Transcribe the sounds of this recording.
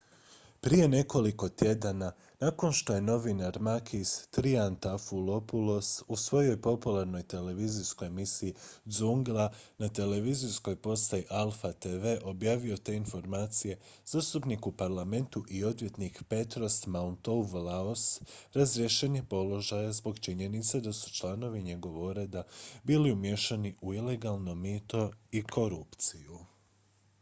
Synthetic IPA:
pɾije̞ne̞ko̞liko̞t̪je̞d̪ana | nako̞nʃt̪o̞je̞no̞ʋinaɾmakʰist̪ɾiant̪afulo̞pulo̞susʋo̞jo̞jpo̞pulˠaɾno̞jt̪e̞le̞ʋizisko̞jemisiːzuŋɡlˠanat̪e̞le̞ʋizisko̞jpo̞st̪ajiʔalˠfat̪e̞ʋe̞ʔo̞bjaːʋio̞t̪e̞info̞ɾmaːt̪sije̞z̥aːst̪upnikupaɾlˠame̞nt̪uʔio̞d̪ʋje̞t̪nikpe̞t̪ɾo̞st̪maunt̪oʋlaosɾazɾijeʃeɲepo̞lo̞ʒajazbo̞ɡt͡ʃiɲe̞nit̪sed̪asu̥t͡ʃlˠano̞ʋiɲe̞ɡo̞ʋoɾed̪abiːliumje̞ʃaniʔuile̞ɡalˠno̞miːt̪o̞ikʰo̞ɾupt̪siju

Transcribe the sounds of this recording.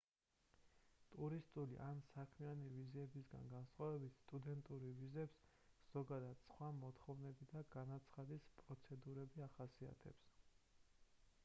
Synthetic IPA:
t̪ʼuɾist̪ʼulḭʔansakʰmianiviziɛbisɡa̰nɡansχwavɛbit̪ʰst̪ʼud̪ɛnt̪ʼuɾivizɛps | z̥ɔɡad̪ad̪̥sχwamɔt̪ʰχɔvnɛbid̪aɡanat̪sʰχad̪ispʼɾɔt̪sʰɛd̪uɾɛbiaχasia̰t̪ʰɛ̰ps

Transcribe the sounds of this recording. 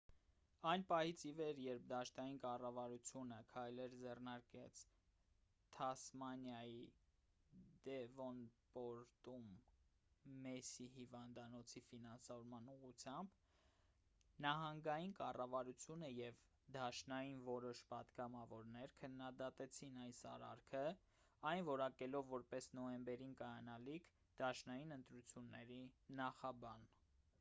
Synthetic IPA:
ɑjnpɑhit͡sʰivɛɾjɛɾp̚d̪ɑʃnɑjinkɑrɑvɑɾut͡sʰjunəkʰɑjlɛɾd͡zɛrnɑɾkɛt͡sʰ | t̪ʰɑsmɑnjɑji | d̪ɛvɔnpɔɾt̪umː | ɛsihivɑnd̪ɑnɔt͡sʰifinɑnsɑvɔɾmɑnuʁut͡sʰjɑmb | nɑɦɑŋɡɑjinkɑrɑvɑɾut͡sʰjunəjɛv | d̪ɑʃnɑjinvɔɾɔʃpɑd̪ɡɑmɑvɔɾnɛɾkʰənːɑd̪ɑt̪ɛt͡sʰinɑjsɑ̰ɾɑ̰ɾkʰə | ɑjnvɔɾɑkɛlɔvːɔɾpɛsnɔɛmbɛɾinkɑjɑnɑlikʰ | d̪̥ɑʃnɑjinənt̪ɾut͡sʰjunːɛɾinɑχɑbɑn

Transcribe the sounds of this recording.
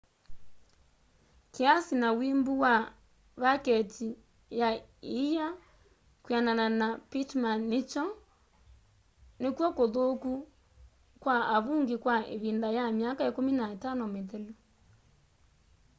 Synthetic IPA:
keasinawimbuwa | βakɛti | jaija | kwianananapitmanːet͡ʃɔ | nekwɔkoðoku | kwaaβuŋɡekwaḛβindajamjakaekominaetanɔmetɛlo

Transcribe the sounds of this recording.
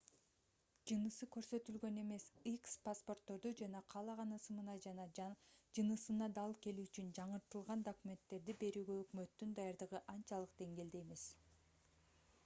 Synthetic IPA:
d͡ʒɯnɯsɯkø̞ɾsø̞t̪ylɡø̞ne̞me̞sikspaspo̞rt̪ːo̞ɾd̪ud͡ʒɑnɑqʰɑlˠɑʁɑnɯsɯmɯnɑd͡ʒɑnɑd͡ʒɯnɯsɯnɑd̪ɑlˠke̞lyyt͡ʃynd͡ʒɑɴɯɾt̪ɯlˠʁɑnd̪okumʲe̞nt̪ːe̞ɾd̪ibe̞ɾyːɡøøkmø̞t̪ːynd̪ɑjɑɾd̪ɯʁɯʔɑnt͡ʃɑlˠɯqd̪e̞ŋɡe̞ːld̪e̞jme̞s

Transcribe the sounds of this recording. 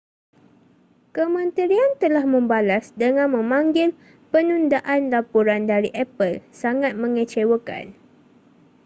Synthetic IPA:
kəmə̃nt̪iɾiant̪əlahmə̃mbalasdəŋãnmə̃mãŋɡɪl | pənundaʔanlapuɾandaɾiʔɛpəlsaŋat̪̚mə̃ŋət͡ʃewəka̰n

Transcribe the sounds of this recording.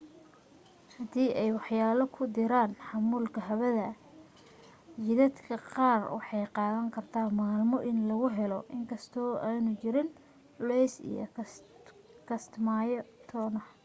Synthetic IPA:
hɐd̪iːʔɛjwɑħjaːlɐkʰʊd̪ɪɾaːnħɑmuːlkʰɐɦɐβɐðɐ | t͡ʃɪðɐd̪kʰɐqɑːrwɑ̰ħɑjqɑːðɐŋkʰɐrt̪ʰaːmaːlmɔʔɪnlɐɣʊɦɛlɔʔɪŋkʰɐst̪ʰɔːʔaːnʊt͡ʃɪɾɪn | ʊlɛjsḭjɔ̰ | kʰɐst̪maːjɔt̪ʰɔːnɐh

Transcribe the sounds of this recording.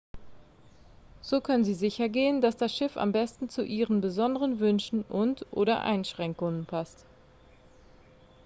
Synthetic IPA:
z̥oːkʰœnənziːzɪçɐɡeːəndasd̥asʃɪfa̰mbɛstn̩t͡suʔiːʁənbəzɔndəʁənvʏnʃn̩ʔʊntʔo̰ːɾɐ̰ʔa̰ɪnʃʁ̥ɛŋkʊŋənpʰast

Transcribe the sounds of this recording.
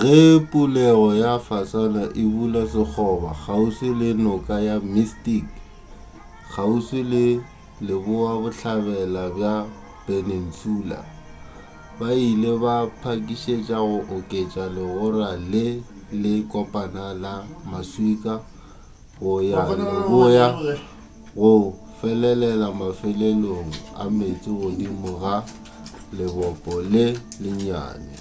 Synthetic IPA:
ɣepʼulɛɣɔjafasanaʔɪbulasɪk͡xʰɔbaχausɪlɪnʊkʼajamistik | χʰausɪlɪ | lɪbʊabʊɬaβɛlabja | b̥ʼenen̩suːla̰ | baileβapʰakʼiʃet͡ʃʼaɣʊʔʊkʼet͡ʃʼalɪɣʊralɪ | lɪkʼɔpʼanalamaswikʼa | bʊjanbʊja | ɣʊ | fɛlɛlɛlamafɛleloŋ̩a̰met͡sʼɪɣʊdimʊɣa | lɪbɔpʼɔlɪlɪɲa̰ːnɪ̰

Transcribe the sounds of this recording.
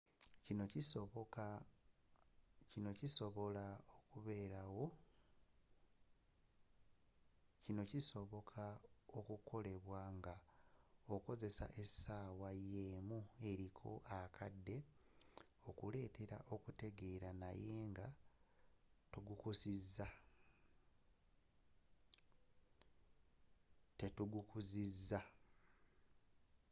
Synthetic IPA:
cinocisoβ | cino̞ciso̞βo̞laokuβeːɾawo̞ | cino̞ciso̞βo̞kʰaokukʰo̞le̞βwaːŋɡa | oko̞ze̞sa̰ʔe̞saːwajeːmue̞ɾikʰo̞̰ʔakʰadːe̞ | o̞kule̞ːte̞ɾa̰ʔo̞kute̞ɡe̞ːɾanaje̞ːŋɡa | tuɡukusizːa | te̞tuɡukuzizːa

